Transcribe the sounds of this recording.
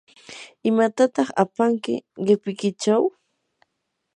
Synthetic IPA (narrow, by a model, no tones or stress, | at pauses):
ɪmat̪at̪ɑχa̰paŋkɪ̰ɢɪpɪkɪt͡ʃaw